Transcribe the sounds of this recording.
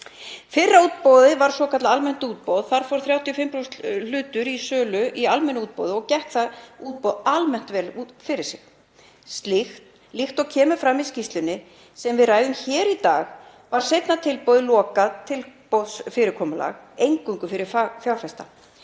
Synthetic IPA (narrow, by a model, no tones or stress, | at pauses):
fɪrːauːt̪̚powðɪvaɾ̥sɔːkʰat̪laalmɛn̥t̪uːt̪̚powðθaɾ̥fɔɾ̥θɾjaːwt̪ʰjʏɔfɪmpɾowsl̥ʏːt̪ʏɾisœːlʏʔialmɛnʏuːt̪̚po̰wðɪɔɣcɛht̪θaðuːt̪̚powðalmɛn̥t̪vɛːlufɪɾɪ̥sɪx | st̪lɪxt̪ | lixt̪ɔɣcʰɛːmʏfɾamiscist̪lʏnɪ | sɛmvɪðraːjðʏmçɛːɾit̪aːɣ | vaɾ̥sejt̪nat̪ʰɪlpowðɪlɔːkat̪ʰɪlpowðsfɪɾɪɾkʰɔːmala̰ɣejŋkʏŋkʏfɪɾɪɾfafjawfɛst̪a̰